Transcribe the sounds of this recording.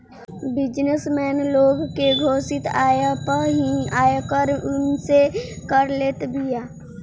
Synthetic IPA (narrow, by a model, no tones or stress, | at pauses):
bɪd͡ʒnesmɛːnloːɡkeɡʱoːsɪt̪aːjapəɾɦiaːekəɾʊnsekəɾleːt̪bijaː